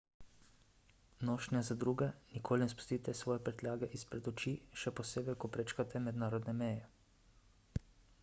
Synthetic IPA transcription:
noːʃnɛzad̪ɾuːɡɛnikʰoːlinɛspu̥st̪iːt̪ɛsʋɔːjɛpɾɛt̪lʲaːɡɛʔispɾɛd̪ɔt͡ʃiʃɛpɔseːbɛkɔpɾɛt͡ʃkat̪ɛmɛd̪naːɾɔd̪nɛmɛjɛ

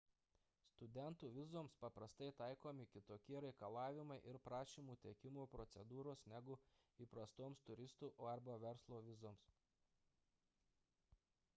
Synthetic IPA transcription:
st̪ʊd̪ʲɛnt̪uːʋʲɪzoːmspɐpɾɐst̪ɐɪt̪ɑɪkoːmʲɪkʲɪt̪oːkʲiɛɾɐɪkɐlˠɑːʋʲɪmɐɪʔɪɾpɾɑːʃʲiːmuːt̪ʲɛkʲɪmuːpɾɔt̪sʲɛd̪uːɾoːsnʲæɡʊ | iːpɾɐst̪oːmst̪ʊɾʲɪst̪uːʔoːɐɾbɐʋʲɛɾslˠoːʋʲɪzoːms

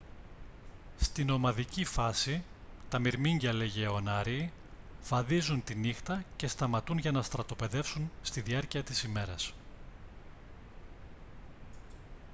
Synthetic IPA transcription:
st̪ino̞mɐðicifɐsit̪ɐmiɾmiɲɟɐle̞ʝeo̞nɐɾi | v̥ɐðizunt̪inixt̪ɐce̞st̪ɐmɐt̪unʝɐnɐst̪ɾɐt̪o̞pe̞ðe̞fsunst̪iðiɐɾciɐt̪isime̞ɾɐs

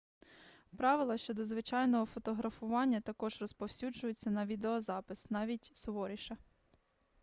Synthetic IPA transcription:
pɾɑʋɪlˠɐʃt͡ʃɔd̪ɔzʋɪt͡ʃɑjnɔɦɔfɔt̪ɔɦɾɐfʊʋɑnʲːɐt̪ɐkɔʒrɔspɔwsʲud͡ʒʊjʊt͡sʲːɐnɐʋʲid̪eɔzɑpɪsnɑʋʲitʲsɔʋɔɾʲiʃɐ

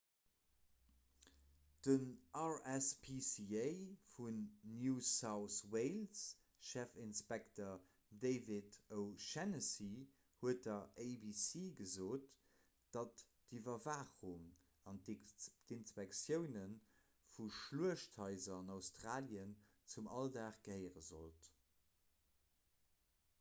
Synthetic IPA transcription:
d̥ənʔɑɹɛspʰisieɪfunːjuːsaʊsweɪls | ʃæfinspɛktə | deɪvitəʊʃɛnəsi | huət̚dɐʔeɪbisiːɡəzoːt | d̥ɑt | divɐvaːχuŋ | ɑnd̥inspɛksjəʊnən | fuʃluəʃtʰhɑɪzɐɑnɑʊstʁaːljən | t͡sumɑldaːχɡ̥əhəɪʁəzo̰lt

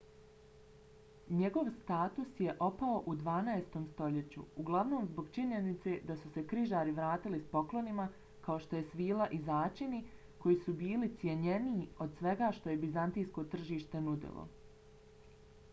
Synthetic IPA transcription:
ɲe̞ɡo̞ʋst̪aːt̪usje̞ʔo̞pao̞ʔud̪ʋaːnaest̪o̞ːmst̪o̞ʎe̞t͡ɕṵuɡlˠaʋno̞ːmzbo̞ɡt͡ʃiɲe̞nit̪se̞d̪asuse̞kɾiʒaːɾiʋɾaːt̪ilispo̞klo̞nima | kaoʃt̪o̞je̞sʋiːlaʔizaːt͡ʃini | ko̞jiːsubiːlit̪sjeɲe̞niːo̞d̪sʋe̞ɡaːʃt̪o̞je̞bizant̪ijsko̞t̪r̩ʒiːʃt̪enud̪ḭlˠo̰

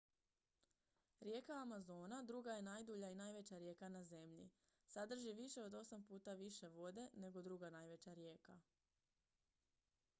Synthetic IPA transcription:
ɾje̞ːkaamazo̞ːnad̪ɾuɡaje̞najd̪uːʎainajʋe̞t͡ɕaɾje̞ːkanaze̞mʎḭ | sad̪r̩ʒiʋiʃe̞o̞d̪o̞sampuːt̪aʋiʃe̞ʋo̞d̪e̞ne̞ɡo̞d̪ɾuɡanajʋe̞t͡ɕaɾje̞ːka

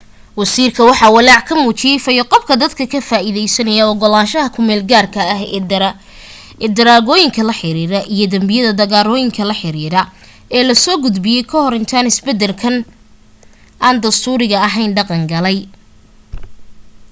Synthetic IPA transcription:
wɐsiːrkʰɐwɑħɑːwɑlɑːʕkʰɐmuːt͡ʃɪjɛjfɐjɔqɔbkʰɐd̪ɐd̪kʰɐkʰɐfaːʔiðɛjsɐnɐjɐɔɡɔlaːʃɐɦɐkʰʊmɛːlɡaːrkʰɐːɦ | ɛːd̪ɐɾaːɣɔːjɪŋkʰɐlɐħɪɾiːɾɐʔijɔd̪ɐmbɪjɐðɐd̪ɐɣaːɾɔːjɪŋkʰɐlɐħɪɾiːɾɐ | ɛːlɐsɔːɡʊd̪bɪjɛjkʰɔhɔɾɪnt̪ʰaːnɪsbɛd̪ɛlkʰɐn | ʔaːnd̪ɐst̪ʰuːɾɪɣɐɐɦɛjnɖɑqɑŋɡɐlɛj

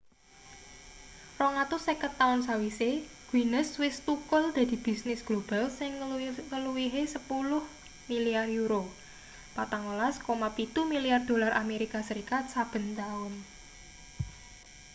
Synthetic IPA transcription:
rɔŋat̪ʊsɛkət̪ːaʊnsawiseɡ̥winəswɪst̪ukʊld̪̥ä̤d̪̥i̤b̥i̤snɪsɡ̥lob̥alsɪŋŋəluwiɦesəpulʊh | miliarjuɾo | pat̪aŋolaskomapit̪umiliard̪̥o̤larameɾikasəɾikat̪̚sab̥ə̤nt̪aʊn

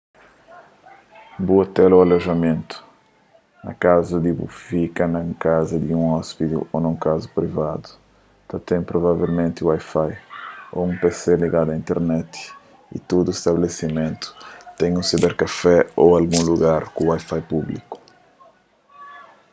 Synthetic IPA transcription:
buat̪ɛlualoʒamẽnt̪u̥ | nɐ̰kazɐd̪ibṵfikɐnɐkazɐd̪iũɔspit̪ḭonɐ̃w̃kazupɾivad̪u̥ | t̪ɐt̪ɛ̃j̃pɾovavelmẽnt̪ɪuajfajo̰ũmpeseliɡad̪uɐaĩnt̪eɾnɛt̪i̥ | ḭt̪od̪uest̪aβelesimẽnt̪u̥t̪ɛ̃ɲũsibɛɾkafɛoalɡũluɣaɾkũwajfajpublḭku̥

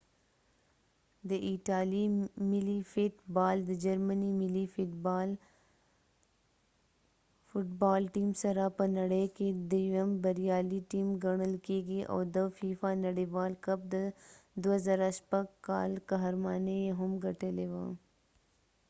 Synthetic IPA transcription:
d̪əʔiʈaːlimɪlifɪʈbaːld̪əd͡ʒɐɾmənimɪlifʈbl | fʊʈbaːlʈiːmsɐɾapənɐɽejked̪ejɐmbɐɾijaːliʈiːmɡɐɽ̃əlkeːɡiʔa̰ːd̪əfiːfanɐɽiʋaːlkɐb̚d̪əd̪ʊazaɾaʃpɐɡka̰ːlkaɦɾmaːnejeɦʊmɡʱɐʈəlewã̰

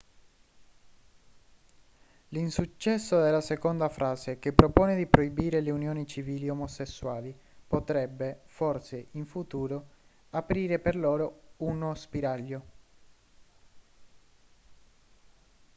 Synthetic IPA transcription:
linsut͡ʃːɛsːod̪elːasekond̪afɾaːzekepːɾopoːned̪ipɾʔoibiːɾeleunjoːnit͡ʃiviːliomosesːwaːli | pot̪ɾɛbːeforseʔiɱfut̪uːɾo | apɾiːɾeperloːɾounospiɾaʎːo

